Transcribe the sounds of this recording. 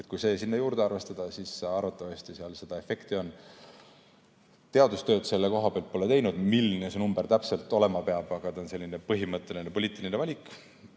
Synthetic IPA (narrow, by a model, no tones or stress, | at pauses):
et̪̚ˑkujse̞ːsinːɑjuːɾd̪eɑrve̞st̪ɑd̪̥ɑsisːɑrvɑt̪ːˑɑvɑst̪isiɑlse̞d̪̥ɑe̞fe̞kt̪io̞n | t̪e̞ɑd̪ust̪ø̞ːd̪̥se̞lːeko̞ɦɑb̥eɑlt̪̚po̞let̪e̞jnud̪̥milːinesenumb̥ert̪æpse̞lt̪ːˑo̞le̞mɑpe̞ɑb̥ɑɡ̥ɑt̪ɑnse̞lʲːine̞pɤɦimɤt̪ːˑe̞linepo̞liːt̪ːˑilinevɑlʲikˑ